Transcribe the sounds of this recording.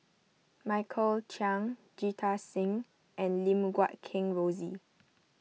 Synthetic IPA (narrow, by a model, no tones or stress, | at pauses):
maɪkʰəlt͡ʃʰãŋ | d͡ʒitʰasĩŋ | ʔɛ̃nlĩmɡwat̚kʰɪ̃ŋɹozi